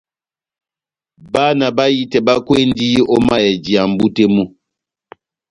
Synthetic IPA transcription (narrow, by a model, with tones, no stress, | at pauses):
ba˦na˨ba˦ji˦tɛ˨ba˦kwe˦n˦di˦ɔ˦ma˦jɛ˨d͡ʒi˨a˨m˨bu˦te˦mu˦